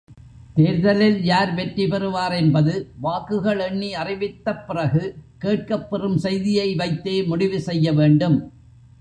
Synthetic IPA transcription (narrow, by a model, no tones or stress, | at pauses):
t̪eːɾðɐlɪljaːɾʋɛʈripɛrɯʋaːɾɛnbɐðɯʋaːkɯɣɐɭɛɳːiɐrɪʋɪt̪ːɐpːɪrɐɣɯkeːʈ̚kɐpːɛrɯmsɛjðɪjɐɪʋɐɪt̪ːeːmʊɽɪʋɯsɛjːɐʋeːɳɖɯm